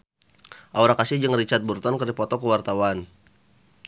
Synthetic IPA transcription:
ʔauɾakasɪhd͡ʒəŋrit͡ʃat̪̚burt̪ɔnkərdipɔt̪ɔkəwart̪awan

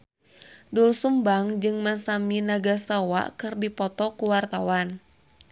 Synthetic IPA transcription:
dulsumbaŋd͡ʒɨŋmasaminaɡasawa̰kɨrdipɔt̪ɔkuwart̪awan

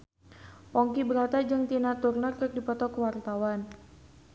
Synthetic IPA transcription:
pɔŋkibəɾat̪ad͡ʒɨŋt̪inat̪urnərkər̚dipɔt̪ɔkəwart̪awan

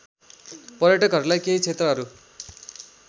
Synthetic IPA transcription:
pʌɾjʌʈʌkɦʌɾulajkeɦit͡sʰet̪rʌɦʌɾu

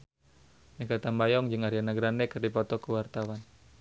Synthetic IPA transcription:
nikat̪ambajɔŋd͡ʒɨŋaɾianaɡɾanɛkɨrdipɔt̪ɔkuwart̪awan

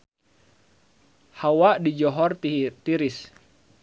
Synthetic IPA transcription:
hawadid͡ʒɔɦɔrtt̪iɾis

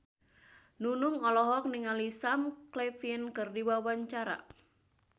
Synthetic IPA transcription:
nunuŋɔlɔɦɔk̚niŋalisamklefinkɨrdiwawaɲt͡ʃaɾa̰

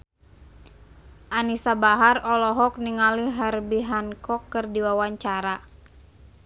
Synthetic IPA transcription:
ʔanisabaɦarɔlɔɦɔk̚niŋaliɦarbiɦankɔkːɨrdiwawaɲt͡ʃaɾa

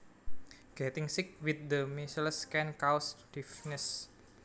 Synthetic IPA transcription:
ɡ̥ɛt̪ɪŋsɪk̚wit̪̚d̪əmisələskɛnkawsd̥ifnəs

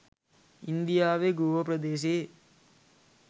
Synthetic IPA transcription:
ind̪ijaːʋeɡuːʋəpɾɐd̪eːʃ̬eː

